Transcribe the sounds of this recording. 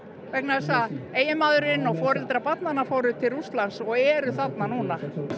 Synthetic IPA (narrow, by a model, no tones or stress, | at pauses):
vɛknaɛs̬aeːjɪmaːðʏɾɪnːɔɣfɔːɾɪlt̪ɾapat̪nanafoːwɾʏt̪ʰɪlrust̪lansɔɣɛɾʏθat̪nanuːna